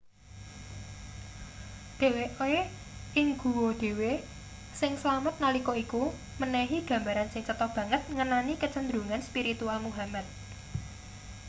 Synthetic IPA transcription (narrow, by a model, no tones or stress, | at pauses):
d̪̥e̤weʔoe | ʔɪŋɡ̥ṳwod̪̥e̤we | sɪŋslamət̪̚nalikɔiku | mənɛɦiɡ̥ä̤mbaɾansɪŋt͡ʃət̪ɔb̥ä̤ŋət̪̚ŋənanikət͡ʃənd̪ɾuŋanspiɾit̪ualmuɦamat̪̚